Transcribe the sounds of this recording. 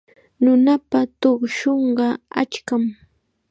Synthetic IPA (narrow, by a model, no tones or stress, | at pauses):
nʊnapat̪oχʃoɴɢɑa̰t͡ʃkam